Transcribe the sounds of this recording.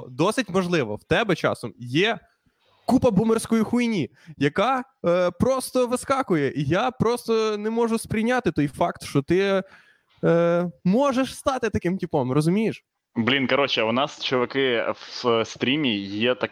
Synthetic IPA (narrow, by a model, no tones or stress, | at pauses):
d̪ɔsɪtʲmɔʒlˠɪʋɔ̰wt̪ɛbɛt͡ʃɑ̰sɔmjɛ | kupɐbumersʲkɔjixujnʲi | jɐkɑ | pɾɔst̪ɔʋɪskɑkʊjɛʔijapɾɔst̪ɔnɛmɔʒʊspɾʲɪjnʲat̪ɪt̪ɔjfɑkt̪ʃt͡ʃɔt̪ɪ | mɔʒeʃst̪ɑt̪ɪt̪ɐkɪmtʲipɔmrɔzʊmʲijɪʃ | blʲinkɐɾɔt͡ʃɛʊnɑst͡ʃʊʋɐkɪwsst̪ɾʲimʲijɛt̪ɐ